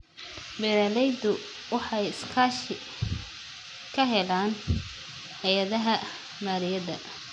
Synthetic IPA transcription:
bɛɾɐlɛjd̪ʊ | wɑħɑjɪskʰaʃɪ | kʰɐɦɛlaːn | hɐjɐðɐɦɐ | maːɾɪjɐðɐ

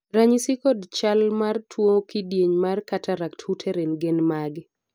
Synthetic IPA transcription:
ɾaɲisɪkɔdt͡ʃalmartʰwokidjeɲmarkatʰaɾakthutʰɛɾenɡɪnmaɡ

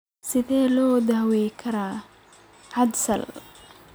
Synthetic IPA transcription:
sɪðɛːlɔːd̪ɐːwɛjkʰɐɾaː | ʕɑd̪sɐ̰l

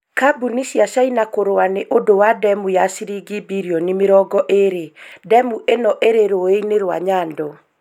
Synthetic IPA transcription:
kabunisiaʃainakoɾoaneʔodowadɛmujasiɾiɡibiɾiɔnimeɾɔɡɔʔeɾedɛmuʔenɔʔeɾeɾoeineɾwa̰ɲaːndɔ

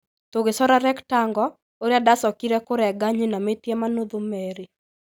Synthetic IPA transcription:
toɡesɔɾaɾɛktaŋɡɔ | oɾjadasɔkiɾɛkʊɾɛɡaɲinametjemanod̪umeɾi

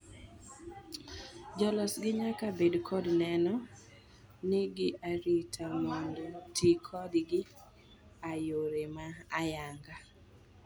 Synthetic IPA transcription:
d͡ʒɔlɔsɡɪɲakabedkʰɔdnɛnɔ | nɪɡɪʔaɾitʰamondotikʰɔdɡɪ | ajoɾemaːjaŋɡa

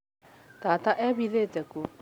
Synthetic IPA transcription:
t̪aːt̪aʔɛβiðetɛku

